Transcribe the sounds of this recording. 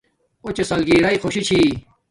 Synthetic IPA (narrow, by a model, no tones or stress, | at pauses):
ot͡ɕesɐlɡiːɾɐixʰoɕit͡ɕʰi